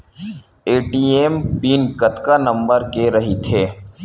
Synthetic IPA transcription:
eːʈiːeːmpiːnkɐt̪kanɐ̃mbəɾkeɾɐɦit̪ʰeː

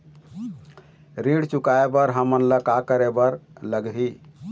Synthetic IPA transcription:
ɾiɽt͡ʃukaebəɾɦəmənləkakəɾebəɾləɡɦi

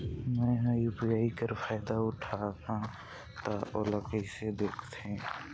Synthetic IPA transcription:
mɛ̃ɦjuːpijaːikəɾfaːɪd̪aʊʈʰaɦã | t̪aoːləkəised̪eːkʰt̪ẽ

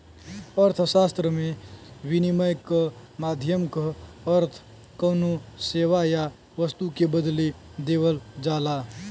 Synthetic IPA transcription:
əɾt̪ʰsaːst̪ɾəmẽwɪniməjkəmaːd̪ʱjəmkəəɾt̪ʰ | kəːnuseːwaja | ʋəst̪ukebəd̪led̪eːwəld͡ʒaːlaː

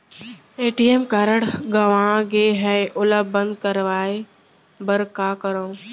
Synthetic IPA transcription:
eːʈieːmkaɾəɽɡɐʋãɡeɦɛeʔʊləbə̃nd̪̚kəɾʋaːe | bəɾkaːkəɾõː

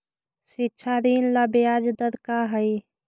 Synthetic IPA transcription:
sɪtːʃʰad̪iːnləbjaːd͡ʒd̪əɾkaɦəi

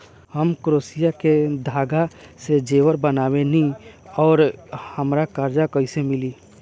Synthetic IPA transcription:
həmkɾoːsijaked̪ʱaːɡased͡ʒeːwəɾbənaːwenĩɔːɾhəmɾakaɾd͡ʒakəɦisemɪli

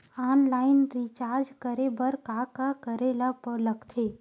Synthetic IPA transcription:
aːnlaːɪnɾit͡ʃaːɾd͡ʒkəɾebəɾkaːkakəɾelapələɡt̪ʰeː

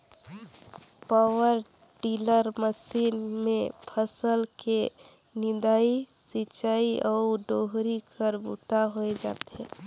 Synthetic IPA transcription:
pawəɾ | ɖiləɾməsiːnmẽpʰəsəlke | nɪ̃nd̪aisit͡ʃaːiʔɔːɖoɦɾikʰəɾbṵt̪aɦoed͡ʒa̰ːt̪eɦɛ̃

